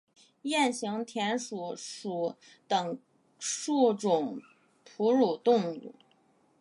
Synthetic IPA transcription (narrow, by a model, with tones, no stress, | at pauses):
jɛ˥˩nɕi˧˥ŋt̪ʰjɛ˧˥nʂu˨˩ʂu˨˩˦ | t̪ɤ˨˩ŋ | ʂu˥˩ʈ͡ʂʊ˨˩ŋ | pʰu˧˥ɻu˨˩t̪ʊ˥˧ŋṵ˥˩